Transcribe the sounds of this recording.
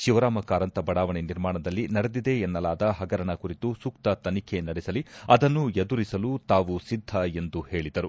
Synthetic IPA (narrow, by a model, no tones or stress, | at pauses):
ʃiʋɐɾaːmɐkaːɾɐnt̪ɐbɐɽaːʋɐɳiniɾmaːɳɐd̪ɐlːinɐɽed̪id̪e̞ːnːɐlaːd̪ɐɦɐɡɐɾɐɳɐkuɾit̪usuk̚t̪ɐt̪ɐnikʰe̞nɐɽɛsɐliɐd̪ɐnːued̪uɾisɐlut̪aːʋusid̪ʱːɐe̞nd̪uhe̞ːɭid̪ɐɾu